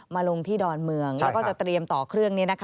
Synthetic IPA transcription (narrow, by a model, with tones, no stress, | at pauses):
maː˧lo˧ŋt̪ʰiː˥˩dɔː˧nmɯ˧əŋlɛ˦˥kɔː˥˩t͡ɕa˨˩t̪ɾi˧əmt̪ɔː˨˩kʰɾɯ˥˩əŋni˦˥ɐna˦˥kʰ